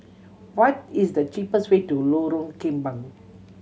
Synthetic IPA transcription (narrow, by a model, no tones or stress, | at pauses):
wɔtisd̪ət͡ʃipəstwetuloɾõnkĩmbãŋ